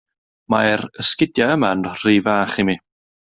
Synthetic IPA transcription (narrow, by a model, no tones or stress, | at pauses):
marəskɪdjaəmanr̥ivaːχimi